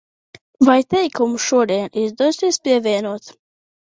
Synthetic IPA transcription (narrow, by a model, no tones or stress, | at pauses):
vajt̪ɛjkumuʃuɔd̪iɛnizd̪uɔsiɛspʲiɛvʲiɛnuɔt̪